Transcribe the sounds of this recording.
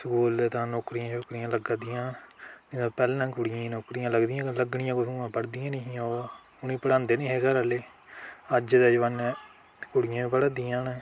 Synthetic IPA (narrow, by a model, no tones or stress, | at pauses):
səkuːlt̪ãːnoːkɾijãːt͡ʃoːkɾijãːləɡad̪ijãːniãpɛːlːãːkʊɽɪjãːnoːkɾijãːləɡd̪ijãːləɡɳɪjãːkʊsũãːpəɽd̪ijãːnĩɦjãoː | ʊnĩːpəɽãːnd̪eːnẽːɦeːɡəɾaleː | əd͡ʒd̪ed͡ʒʋən | kʊɽɪjãːpəɽad̪ijãːnː